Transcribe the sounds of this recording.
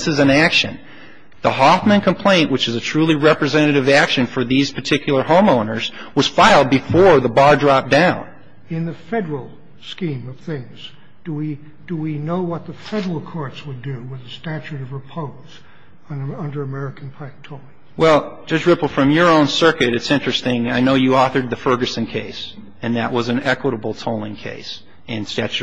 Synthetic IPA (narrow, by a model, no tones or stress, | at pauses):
sɨzɨ̃nækʃɨ̰̃n | ðəhɑfmɨ̃nkʰə̃mpʰl̥ẽɪ̃nʔwɨt͡ʃɨzɨtʰɹ̥ʉlˠiɹɛpɹɨzɛ̃ñɨɾɨvækʃɨ̃nfə˞ðiz̥pʰə˞tʰɪkʰjl̩ˠə˞hõʊ̃mõʊ̃nə˞zwʌz̥faɪlˠd̚bɨfɔɹðəbɑɹdɹɑp̚d̥ãʊ̃n | ɪ̃nðɨfɛɾə˞l̩ˠ | skĩmʌv̥θɪ̃ŋz | d̥əwi | d̥əwinoʊwʌt̪̚ðəfɛɾə˞l̩ˠkʰɔɹtswədɨwɪðɨstæt͡ʃʉɾʌvɹɨpʰoʊ | z̥ | ʌ̃ndə˞ɨmɛɹɨkn̩pʰak̚tʰoʊɹˠ | wɛl̥ˠd͡ʒ̥ʌd͡ʒɹɪpl̩ˠfɹʌ̃mjə˞õʊ̃nsɜ˞kɨɾɨtsɪ̃nt͡ʃɹ̥ɨstɪ̃ŋaɪnoʊjɨɔθə˞d̪̚ðɨfɜ˞ɡɨsɨ̃nkʰeɪs | ɨ̃nðɨʔwʔʌzɨ̃n̩ɛkwəɾəbl̩ˠtʰoʊlˠɪ̃ŋkʰḛɪs | ɨ̃nstæt͡ʃʉ